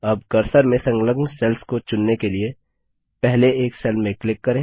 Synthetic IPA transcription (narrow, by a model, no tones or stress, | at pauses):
ɐb̚kɐɾsəɾmẽsɐ̃ŋɡləɡnsɛlskot͡ʃʊnːekelie | pɛɦleeːksɛlmẽklɪkːɐɾẽː